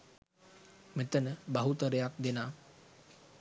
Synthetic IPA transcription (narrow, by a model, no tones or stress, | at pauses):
met̪ənəbaɦut̪əɾəjak̚d̪enaː